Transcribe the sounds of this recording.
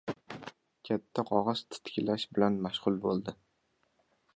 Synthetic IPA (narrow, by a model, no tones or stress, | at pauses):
kʲʰat̪ʰːaqʰɒʁɑz̥t̪ʰɪ̥t̪kʲɪlaʃbɪlanmaʃʁʊlˠbolˠd̪ɪ